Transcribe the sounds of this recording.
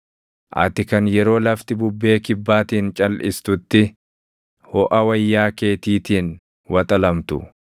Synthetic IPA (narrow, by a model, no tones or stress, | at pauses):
ʔɐ̰t̪ɪkɐnjɛɾo̞ːlɐft̪ɪbʊbːe̞ːkɪbːaːt̪iːnt͡ʃʼɐlʔɪst̪ʊt̪ːɪ | hɔʔɐwɐjːaːke̞ːt̪iːt̪iːn | wɐt̪ʼɐlɐmt̪ʊ